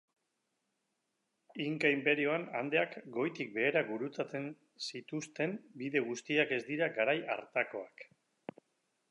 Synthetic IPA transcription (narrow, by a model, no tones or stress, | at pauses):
iŋkaimpe̞ɾio̞ana̰nd̪e̞akɡo̞jt̪ik̚be̞ːɾaɡuɾut͡sat͡se̞n | sit̪ust̪e̞mbiðe̞ɣ̞ust̪iake̞zd̪iɾaɡaɾaja̰ɾt̪ako̞ak